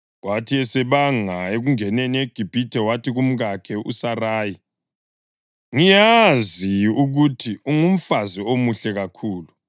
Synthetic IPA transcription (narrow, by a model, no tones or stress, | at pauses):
watʰiɛsɛβaŋaeɣuŋɛnenieɡ̥ʱib̥ʱitʰɛwatʰiɣum̩ɣakʰɛʔṵsaraːji | ŋijaziuɣutʰiuŋum̩faziomuɬɛɣakʰuːlu